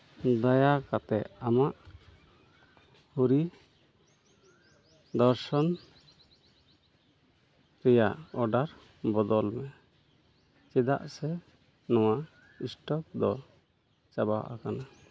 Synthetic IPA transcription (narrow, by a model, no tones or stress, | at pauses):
d̪ajakat̪ɛʔamaʔ | huɾi | d̪ɔɾsɔn | ɾɛjaʔɔɖaɾ | bɔd̪ɔlmɛ | t͡ʃɛd̪a̰ʔsɛ | nɔwaʔ | isʈɔk̚d̪ɔ | t͡ʃabaw̰ʔa̰kana